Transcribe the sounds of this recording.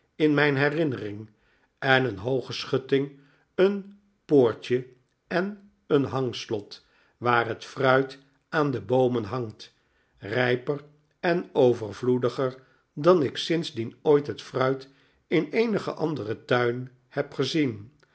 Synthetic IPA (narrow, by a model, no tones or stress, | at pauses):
ɪnmɛjnɦɛrɪnərɪŋ | ɛnənɦowχəsχɵtɪŋ | ən | poːɹtə | ɛn | ənɦɑŋslɔt | ʋaːɹɦətfrœɥt | ʔaːndəbowmənɦɑŋt | rɛjpər | ɛnowvərvludəχəɹ | dɑnɪksɪnzdinojtɦətfrœɥt | ɪnejnəχə̰ʔɑndərətœɥn | hɛpχəzin